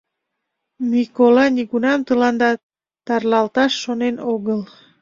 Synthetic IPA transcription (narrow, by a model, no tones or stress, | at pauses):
mikolɑniɣunɑmt̪əlɑnd̪ɑ | t̪ɑrlɑlt̪ɑʃːonenoɣəl